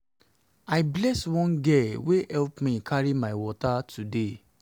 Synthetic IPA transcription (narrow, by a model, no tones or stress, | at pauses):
aɪblɛswɔ̃nɡɛwehɛlpmĩkʰaɹimaɪwɔtatʰude